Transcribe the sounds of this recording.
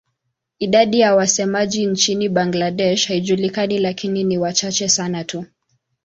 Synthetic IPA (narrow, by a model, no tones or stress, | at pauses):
iɗaɗijawasɛmaʄint͡ʃiniɓaŋɡlaɗɛʃhaiʄulikanilakininiwat͡ʃat͡ʃɛsanatʰu